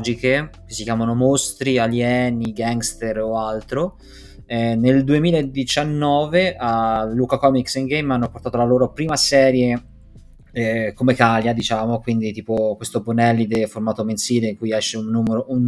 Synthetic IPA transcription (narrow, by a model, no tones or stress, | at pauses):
d͡ʒikekesːikjaːmanomost̪ɾialjɛːniɡaŋɡst̪eɾoalt̪ɾo | ɛneld̪uemiːlaed̪it͡ʃanːɔːveʔalukakɔmiksiŋɡejmanːopoɾrt̪at̪olaloːɾopɾiːmasɛːɾje | komekaljad̪it͡ʃaːmokwind̪it̪iːpokwest̪obonɛlːid̪eformaːt̪omensiːleiŋkujɛʃːeunːuːmeɾoʔun